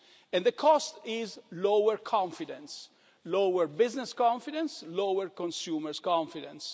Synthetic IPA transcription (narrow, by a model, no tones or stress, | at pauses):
ɛ̃nd̪əkʰɔst̪ɪzlowəɹkʰɔ̃ɱfidɛ̃ns | lowəɹbɪznɛskɔ̃ɱfidɛ̃nslowəɾkɔ̃nsuːməɹskɔ̃ɱfidɛ̰̃ns